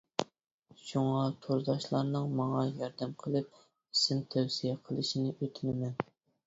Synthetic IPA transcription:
ʃuŋɑt̪ʰoɾzɑʃlˠɑɾnɨŋmɑŋɑjɑɾd̪ɛmqʰəlˠɨp̚ | isɪmt̪ʰæwsijɛqʰəlˠɨʃinɪʔøt̪ʰmɪmɛn

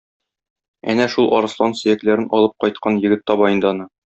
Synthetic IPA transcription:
æ̰næʃulˠʔɒɾɤ̆slˠɑnsɵ̆jæklæɾɘnɒlˠɤp̚qɒjt̪̚qɑnjɘ̆ɡɘt̪ːɒbɑjɤ̆nd̪ɑnɤ

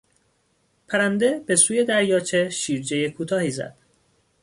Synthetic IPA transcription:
pʰæɾænd̪e̞be̞suːje̞d̪æɾjɒːt͡ʃʰe̞ʃiːɾd͡ʒejekʰuːt̪ʰɒːhiːzæ̰d̪̥

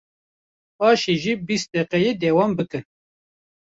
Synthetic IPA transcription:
pɑːʃiʒibist̪̚d̪eːqɛjeːd̪eːwɑːmbɨkɨn

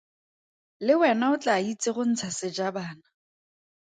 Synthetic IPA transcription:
lɪwɛnaʊt͡ɬʼait͡sʼɪχʊn̩t͡sʰasɪd͡ʒabaːna

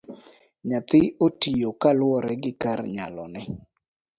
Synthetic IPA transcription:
ɲat̪ɪotijokalwɔɾɛɡɪkaɾɲa̰lɔ̰nɛ

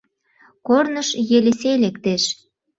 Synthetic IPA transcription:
kornəʃjeleselekt̪eʃ

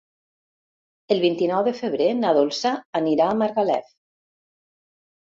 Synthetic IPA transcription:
əlˠβint̪inɔwðəfəβ̞ɾenaðolˠsaːniɾaːmaɾɣalɛ̰f

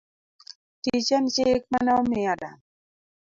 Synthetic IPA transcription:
t̪it͡ʃant͡ʃeːk̚manawmɪaɾa̰

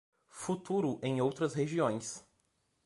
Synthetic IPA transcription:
fut̪uɾʊʔẽj̃owt̪ɾɐsɦeʒiõj̃s

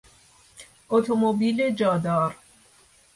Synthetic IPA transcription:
ot̪ʰomobiːled͡ʒɒːd̪ɒːɾ

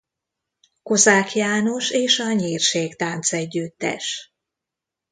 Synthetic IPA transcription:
ko̞zaːkjaːno̞ʃeːʃɒɲiːrʃeːkt̪aːnt̪sɛɟːyt̪ːɛ̰ʃ

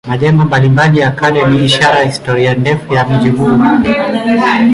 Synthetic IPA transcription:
maʄɛŋɡɔmbalimbaʄijakʰalɛniːʃaɾahistɔɾiandɛfujamiʄihu

